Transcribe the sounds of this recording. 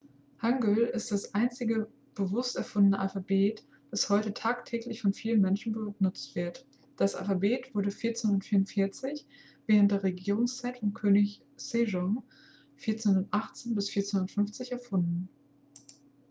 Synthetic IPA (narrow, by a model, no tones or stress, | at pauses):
haŋɡølɪst̚d̥asʔaɪnt͡sɪɡə | b̥əvʊstɛɐfʊndənəʔalfabeːt | d̥ashɔʏtətʰaːktʰɛːklɪçfɔnfiːlənmɛnʃn̩bənʊt͡stv̥ɪɐt | d̥asʔa̰lfabeːtv̥ʊɐɾəfiːɐt͡senhʊndɐtfiːɐʁʊntfɪɐt͡sɪç | v̥eːʁəntd̥eːɐʁeɡiːʁ̞ʊŋst͡saɪtfɔnkʰøːnɪç | seʒɔŋ | fiɐt͡senhʊndɐtʔaχt͡seːnbɪsfiːɐt͡senʊnɐtfʏnft͡sɪçɛɐfʊndn̩